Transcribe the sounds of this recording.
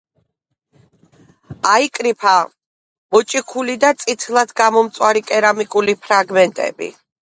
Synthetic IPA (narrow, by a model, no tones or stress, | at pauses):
aikʼɾipʰa | mɔt͡ʃʼikʰulid̪at̪sʼit̪ʰlˠad̪ɡamɔmt̪sʼwaɾikʼɛɾamikʼulipʰɾaɡmɛnt̪ʼɛ̰bḭ